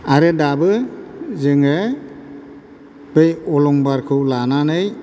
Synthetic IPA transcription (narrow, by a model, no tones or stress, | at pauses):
aɾɯdabɯzɯŋɯ | b̥ɯjɔlɔŋbaɾkʰɯwlananɯj